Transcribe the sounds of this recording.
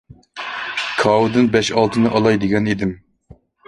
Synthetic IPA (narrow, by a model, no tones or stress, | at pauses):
kʰɑwɨd̪ɨnbɛʃɑlˠt̪ʰɨnɨʔɑlˠɑjd̪ɪɡʲɛnid̪ɪm